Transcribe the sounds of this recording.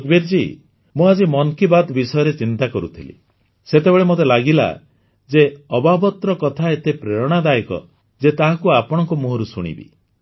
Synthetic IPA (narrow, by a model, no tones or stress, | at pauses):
d̪biɾd͡ʒi | mũad͡ʒimɔŋkibad̪bisɔjɔɾet͡ʃint̪akɔɾṵt̪ʰilḭ | set̪ebeɭemot̪̬elaɡila̰ | d͡ʒeɔbabɔt̪ɾɔkɔt̪ʰaet̪epɾeɾɔɽ̃ad̪ajikɔ̰ | d͡ʒet̪aɦakuapɔɽ̃ɔŋkumuɦɔɾusuɽ̃ḭbḭ